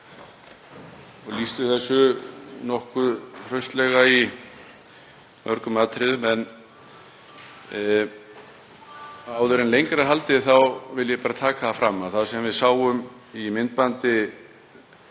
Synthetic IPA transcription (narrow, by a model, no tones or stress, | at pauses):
ɔɣlist̪ʏθɛsːʏnɔhkʏðr̥œɥst̪lɛɣai | mʔœɾkʏmaːt̪ɾɪðʏmɛn | aːwðʏɾɪnlejŋkɾaɾ̥ɦalt̪ɪθawvɪljɛpaːɾat̪ʰaːkaθafɾamːaðθaðsɛmvɪðsaːwʏm | imɪnt̪̚pant̪ɪ